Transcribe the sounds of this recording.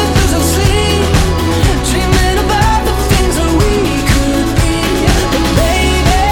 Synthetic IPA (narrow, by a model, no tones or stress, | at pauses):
ʌzəsi | dɹĩmɪ̃ɾəbaʊt̪̚ðəθɪ̃ŋzətwi | kʰɨ | d̚bi | ɨ̃nbeɪ